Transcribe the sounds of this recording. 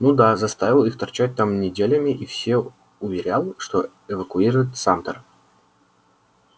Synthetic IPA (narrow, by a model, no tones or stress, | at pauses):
nud̪azɐst̪avʲɪlˠixt̪ɐrt͡ɕæt̚ʲt̪amnʲɪdʲelʲəmʲɪʔifsʲe | ʊvʲɪɾʲalˠʂt̪o | ɪvəkʊiɾʊjɪt̪samt̪ər